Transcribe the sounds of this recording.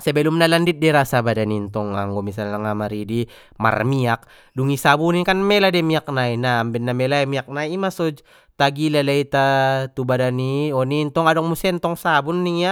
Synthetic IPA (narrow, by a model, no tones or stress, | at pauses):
sɛbɛlumnalandit̪̚dɛɾasabadanint̪ɔŋa̰ŋɡɔmisalaŋamaɾidi | ma̰rmiak̚ | duŋisabuninkanmɛladɛmiak̚nainambɛnːamɛlaimiak̚naimasɔd͡ʒ | t̪aɡilalait̪at̪ubadaniɔnint̪ɔŋadɔŋmusɛnt̪ɔŋsabunːiŋja